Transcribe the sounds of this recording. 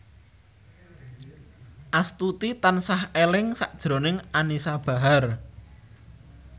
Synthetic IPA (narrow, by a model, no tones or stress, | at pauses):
ʔast̪ut̪it̪ansahelɪŋsaʔd̥ʒ̥ɾonɪŋanisab̥a̤ɦar